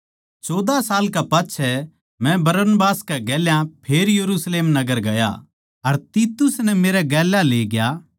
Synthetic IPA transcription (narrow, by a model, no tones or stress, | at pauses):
t͡ʃɔːd̪asaːlkapaːtːʃʰɛ | mɛ̃bɐɾənbaːskɛɡɛːljãpʰeːɾjɐɾuːsleːmnɐɡəɾɡɐja̰ | ɐɾt̪iːt̪ʊsnɛmeːɾɛɡɛːlaleːɡja